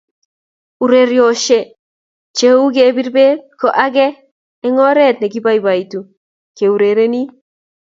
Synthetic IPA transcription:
u˨ɾe˦ɾjo˨ʃe˦ | t͡ʃe˦u˦ɡe˨bi˦rbe˦kɔ˨ʔa˦ɡɛː˦ | ŋɔ˦ɾɛ˦t̚nɛ˨ɡi˦ba˦i˨ba˨i˨tu˨ | ke˨u˨ɾe˨ɾe˦ni˦

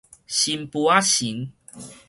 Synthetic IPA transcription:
ɕi˧mpu˨˧a˦ɕi˨˦ŋ

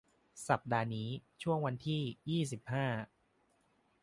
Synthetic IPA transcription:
sa˨˩p̚daː˧niː˦˥t͡ɕʰu˥˩əŋwa˧nt̪ʰiː˥˩jiː˥˩s̬i˨˩p̚haː˥˩

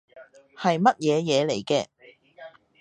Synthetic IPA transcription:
hɐ˨jmɐ˥t̚jɛː˨˧jɛː˨˧le˨˩jkɛː˧

